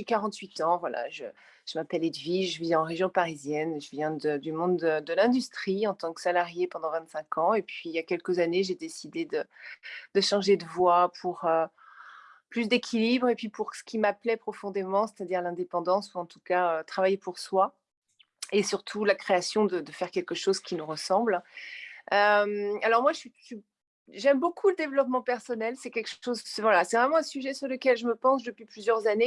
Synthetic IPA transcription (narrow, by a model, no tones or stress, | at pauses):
ikaʁɑ̃t̪ɥit̪ɑ̃vwala̰ʒə | ʒ̥əmapɛled̪viʒəviɑ̃ʁeʒjɔ̃paʁizjɛnʒəvjɛ̃d̪əd̪ymɔ̃d̪ːəd̪əlɛ̃d̪yst̪χiɑ̃t̪ɑ̃ksalaʁjepɑ̃d̪ɑ̃vɛ̃t̪sɛ̃kɑ̃epɥiljakʲɛlkəzaneʒed̪esid̪ed̪əd̪̥əʃɑ̃ʒed̪əvwapʰuʁø | plys̬d̪ekʲʰilibʁepɥipuʁsə̥kʲimaplɛpχɔfɔ̃d̪emɑ̃se̥t̪ad̪iʁlɛ̃d̪epɑ̃d̪ɑ̃suɑ̃t̪u̥kaøt̪χavajepuʁswa | esyʁt̪ʰulakχeasjɔ̃d̪əd̪əfɛʁ̥kʲɛlkəʃozkʲʰinuʁəsɑ̃bl | ømalɔʁmwaʒɥiʒi | ʒɛmbokʰuləd̪evlɔpmɑ̃pɛʁsɔnɛlsɛkʲɛlkʃozɛvwalasɛvʁɛmɑ̃ɛ̃syʒɛsyʁləkʲɛlʒəməpɑ̃sd̪əpɥiplyzjœʁzane